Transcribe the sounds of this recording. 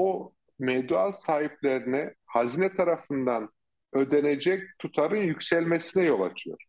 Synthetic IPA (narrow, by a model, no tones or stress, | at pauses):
o | mɛd̪yalsaːɦiplʲeɾinɪhazinɛt̪ʰaɾafɯnd̪an | ø̞d̪ened͡ʒɛc̚t̪ʰut̪ʰaɾɯnjycʲsɛlʲmesinɛjo̞lˠa̰t͡ʃʰɯjo̰ɾ̥